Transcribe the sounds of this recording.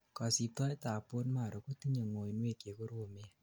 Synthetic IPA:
kɔ˨si˨p̚tɔ˦jta˨po˦nma˨ɾo˨ku˦ti˦ɲe˨ŋo˨jnwe˦˨kje˨ko˦ɾo˨me˦

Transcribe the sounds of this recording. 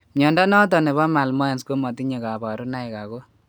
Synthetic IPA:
mjɔ˨nda˦nɔ˦t̬ɔ˨ne˨βɔ˦ma˨lmɔ˦e˨nsko˦mɔ˨ti˦ɲe˨ka˨ba˨ɾu˦na˦ɪ˨ka˨ko˦

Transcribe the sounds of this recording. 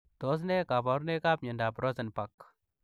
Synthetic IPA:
to˨˦s̬ne˦ka˨pa˨˦ɾne˦ka˦pɲe˨nda˨pɾo˦sə˨npa˨k

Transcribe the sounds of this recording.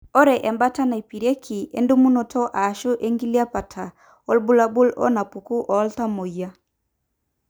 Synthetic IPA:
ɔ˦ɾɛ˨ʔɛ˨mba˦ta˦na˨i˨pi˨ɾe˦kʰi˨ḛ˦ndu˦mu˦no˨tʰɔ˦ʔa˨ʃʊ˦ʔe˦ŋɡi˦li˦a˦pa˨tʰa˨ | ɔ˦lbu˦la˦bʊ˦lɔ̰˦na˨pu˨ku˦ʔɔ˨˦lta˦mo˨ja˦

